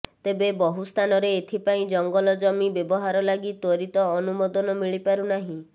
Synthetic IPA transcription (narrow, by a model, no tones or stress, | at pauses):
t̪ebebɔɦust̪ʰanɔɾeːt̪ʰipaĩd͡ʒɔŋɡɔlɔd͡ʒɔmibjebɔɦaɾɔlaɡit̪ɔɾit̪ɔːnumɔd̪ɔnɔmiɭipaɾunaɦĩ